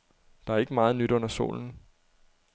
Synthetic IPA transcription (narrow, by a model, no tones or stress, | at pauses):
d̥ɑ̈æɐe̝ɡ̥əmɑ̈ːð̞̩ˠnyd̥ɔ̽n̰ɐso̝̰ːln̩